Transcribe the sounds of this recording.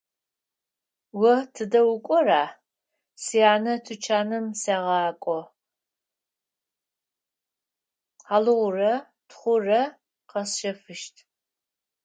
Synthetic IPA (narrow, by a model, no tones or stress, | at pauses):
wɔtʰɨdɐwʊkʷʼɔraː | sijaːnɐtʰɨt͡ʃʰaːnɨmsaːʁɑːkʷʼɔ | aːlɨʁʷʊrɐ | tχʷʊrɐ | qɐsʃɐfɨʃtʰ